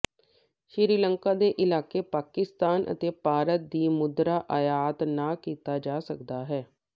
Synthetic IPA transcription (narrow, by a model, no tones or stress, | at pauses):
ʃɾɪɾiːləŋkaːd̪eːʔɪlaːkeːpaːkɪst̪aːnʔə̰t̪eːpaːɾət̪̚d̪iːmʊd̪ɾaːʔajaːt̪naːkiːt̪aːd͡ʒaːsəkd̪aːɦɛː